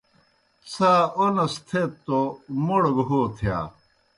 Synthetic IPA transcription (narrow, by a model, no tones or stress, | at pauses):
saːonɐst̪ʰeːt̪ːomuɽɡɦoːt̪ʰja̰ː